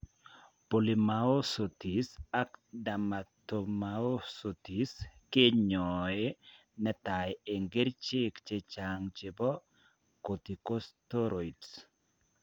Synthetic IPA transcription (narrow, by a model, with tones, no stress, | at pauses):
po˨li˨mao˦so˨ti˨sa˦kda˨matomao˦so˨ti˨ske˦ɲɔe | nɛ˦ta˨je˨ŋɡe˦ɾt͡ʃɪ˦kt͡ʃe˦t͡ʃaŋt͡ʃe˨bɔ˦ | ko˨t̪i˨ko˦sto˦ɾo˨its